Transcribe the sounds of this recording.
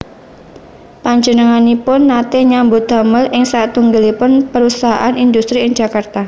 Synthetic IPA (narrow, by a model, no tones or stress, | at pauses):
paɲd͡ʒənəŋanipʊnːat̪eɲambʊ̥a̤məlʔɪŋsat̪uŋɡəlipʊnpəɾusaɦa̰ʔanind̪ust̪ɾiɪŋd͡ʒ̥akart̪a